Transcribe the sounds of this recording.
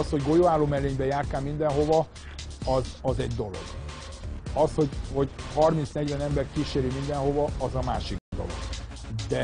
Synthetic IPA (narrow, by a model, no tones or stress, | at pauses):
sho̞ɟɡo̞joaːloːmɛleːɲbɛjaːrt̪aːlmind̪ɛnɦo̞vɒ | ɒzɒzɛɟd̪o̞lo̞̰ɡ̥ | ɒsho̞ɟho̞ɟhɒrmint̪snɛɟvɛnɛmbɛrkiʃeːɾimind̪ɛnɦo̞vɒɒzɒmaːʃikd̪o̞̰lo̰ɡ̥ | d̪ɛ